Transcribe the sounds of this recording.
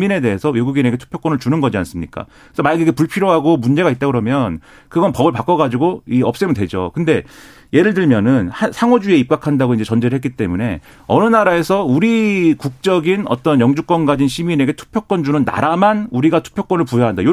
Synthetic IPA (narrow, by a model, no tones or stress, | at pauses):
mine̞de̞esʰʌweɡuɡine̞ɡe̞tʰu̥pʰjok͈ʌnɯɭt͡ɕunɯnɡʌd͡ʑians͈ɯmɲik͈a̰ | kɯe̥sʌmajɡiɡepuɭpʰiɾjoɦaɡomund͡ʑe̞ɣait̚t͈aɡɯɾʌmjʌn | kɯɡʌnpʌbɯɭpak͈ʌɣad͡ʑiɡoiʌp̚s͈emɯntwe̞d͡ʑo̰kɯnde̞ | je̞ɾɯɭtɯɭmjʌnɯnhasʰaŋod͡ʑue̞ip̚k͈akʰandaɡoind͡ʑe̞t͡ɕʌnd͡ʑeɾɯɭhetk͈it͈e̞mune̞ | ʌnɯnaɾae̞sʰʌuɾikuk̚t͡ɕ͈ʌɡinʌ̰t͈ʌnjʌŋd͡ʑuk͈wʌnɡad͡ʑinɕʰimine̞ɡe̞tʰu̥pʰjok͈ʌnt͡ɕunɯnːa̰ɾamanuɾiɡatʰu̥pʰjok͈ʌnɯɭpujoɦandajo